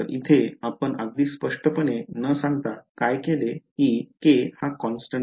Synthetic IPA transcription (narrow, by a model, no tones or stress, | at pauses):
əɾḭt̪ʰeapəɳaɡ̪̚iːspəʂʈʰəpəɳenəsãŋɡt̪akajkelekiːkehakɔnsʈə